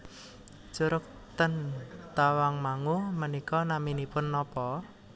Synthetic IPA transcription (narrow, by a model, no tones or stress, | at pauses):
t͡ʃuɾʊk̚ | t̪ənt̪awaŋmaŋumənikɔnaminipʊnːɔpɔ